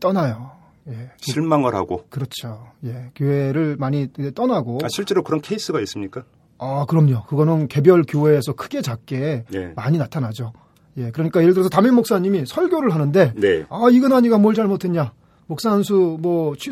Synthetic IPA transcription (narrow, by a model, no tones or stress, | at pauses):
t͈ʌnajo | je̞t͡ɕʰiɭmaŋɯɾha̰ɡokɯɾʌt͡ɕʰoje̞kjoɦe̞ɾɯɭmaɲiet͈ʌnaɡoaɕʰiɭt͡ɕ͈e̞ɾokɯɾʌnkʰeis͈ɯɡais͈ɯmɲik͈a | akɯɾʌmɲokɯɡʌnɯnke̞bjʌɭkjoɦe̞ːsʰʌkʰɯ̥ɡe̞t͡ɕak̚k͈e̞emaɲinatʰanad͡ʑo | je̞kɯɾʌɲik͈ajeɾɯɭdɯɾʌsʰʌtaminmoks͈aɲimisʰʌɭɡʲjoɾɯɭɦanɯnde̞neaiɡʌnaɲiɡamwʌɭt͡ɕaɭmotʰeɲɲa | mok̚s͈ansʰumwʌt͡ɕʰi